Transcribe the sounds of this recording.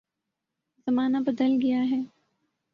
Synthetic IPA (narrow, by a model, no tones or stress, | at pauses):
zɐmaːnabɐd̪əlɡɐjaɦɛː